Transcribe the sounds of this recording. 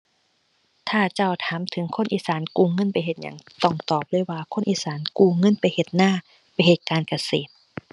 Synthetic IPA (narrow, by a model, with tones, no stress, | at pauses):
t̪ʰaː˧˩t͡ɕa˧˩wt̪ʰaː˨˦mt̪ʰɯ˩˦ŋkʰo˧˥˨nʔiː˧˨saː˨˩˦nkuː˧ŋɤ˧˥˨npa˧jɦe˨˩t̪̚ɲa̰˧˩ŋt̪ɔ˧˩ŋt̪ɔː˨˩p̚lɤː˧˥˨jwaː˧kʰo˧˥˨nʔiː˧˥saː˩˦nkuː˧˩ŋɤ˧˥˨npa˧˨jhe˨˧˩t̪̚naː˧˩˨ | pa˧˩jhe˨˩t̪̚kaː˧nka˧seː˨˩t̪̚